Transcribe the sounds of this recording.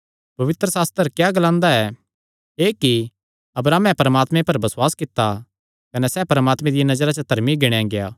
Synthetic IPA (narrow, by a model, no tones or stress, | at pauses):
pɐʋɪt̪ɾəsaːst̪əɾkjaɡɐlãːnd̪aɛ | eːki | ɐbɾaːmɛ̃pɐɾəmaːt̪mẽpɐɾbɐswaːskɪt̪ːa | kɐnɛsɛːpɐɾəmaːt̪mẽd̪ɪjanɐd͡ʒɾat͡ʃɐt̪ɐɾmiɡɪɽ̃jãɡeja̰ː